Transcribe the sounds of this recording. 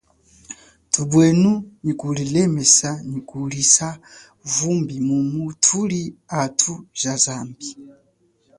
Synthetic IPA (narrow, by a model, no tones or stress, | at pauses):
tubwɛnunikulilɛmɛsanikulisa | vumbimumutʰuliatʰuzazaːmbi